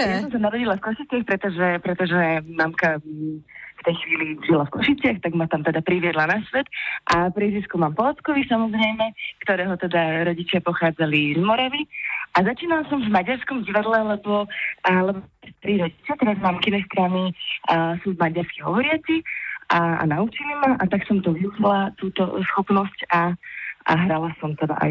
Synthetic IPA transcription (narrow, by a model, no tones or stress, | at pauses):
jasɔmsanaɾɔɟilafkɔʃit͡sɪaxpɾɛt̪ɔʒɛpɾɛt̪ɔʒɛmamka | ft̪ɛjxʋiːliʒilafkɔʃit͡sɪaxt̪aɡmat̪amt̪ɛd̪apɾiʋɪɛd̪lanasʋɛt̪ʔapɾiʒiskumaːmpɔat͡skɔʋisamɔzɾɛjmɛkt̪ɔɾɛːɦɔt̪ɛd̪aɾɔɟit͡ʃɪapɔxaːd͡zalizmɔɾaʋiʔazat͡ʃiːnalasɔmvmaɟaɾskɔmɟiʋad̪lɛlɛbɔlɛbɔɛst̪ɾiːɾɔɟit͡ʃɪat̪ɛɾazmaːmkinɛsk̪ɾani | sumvmaɟaɾskiɦɔʋɔɾɪat͡siʔaa̰naut͡ʃilimaʔat̪aksɔmt̪ɔʋiuʒilat̪uːt̪ɔsxɔpnɔscaa̰ɦɾalasɔmt̪ɛd̪a̰ʔa̰